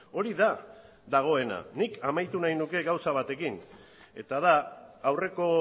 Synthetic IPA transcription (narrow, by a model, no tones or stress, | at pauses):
o̞ɾiða | ðaɣ̞o̞e̞na̰nikamajt̪unajnuke̞ɣawsaβat̪e̞kin | e̞̰t̪að̞aːwre̞ko̞